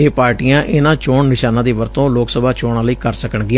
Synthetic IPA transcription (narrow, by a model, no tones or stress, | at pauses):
eːpaːɾʈiːãːʔʔɪnãːt͡ʃoːɳnɪʃaːnãːd̪iːʋəɾt̪õːloːksəbaːt͡ʃoːɳãːləiːkəɾsəkəɳɡɪãː